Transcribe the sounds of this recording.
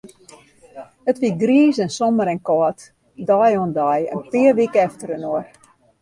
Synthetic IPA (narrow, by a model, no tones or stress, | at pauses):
ətʋiɡriːsɛnsɔməɾɛnkɔːt | dɔjɔndajə̰npɪərʋikəɛftəɾənoər